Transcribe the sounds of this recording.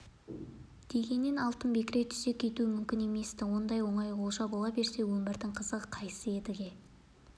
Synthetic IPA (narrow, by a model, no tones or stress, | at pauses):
d̪̥e̞ɡʲe̞nːe̞nɑlˠt̪əmbe̞kʲɪɾejt̪ʰʏ̥ze̞kʲʰːe̞t̪uɪmʏmkʲɪne̞me̞st̪ɪwo̞nd̪ɑjwo̞ɴɑjolˠʃɑbo̞lˠɑbe̞ɾse̞wɵmbɪɾd̪ɪɴqʰəzəʁəqʰɑjsəe̞d̪ɪɡʲe̞